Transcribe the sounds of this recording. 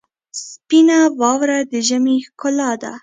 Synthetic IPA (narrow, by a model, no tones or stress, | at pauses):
spinawɑwɾad̪əʒamikʊlɑd̪a̰